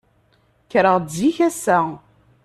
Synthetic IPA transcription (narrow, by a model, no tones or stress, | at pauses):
çɾəʁdjiçæsæ